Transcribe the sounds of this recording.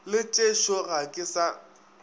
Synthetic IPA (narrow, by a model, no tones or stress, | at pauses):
lɪt͡ʃʼeʃɔɣakʼɪsa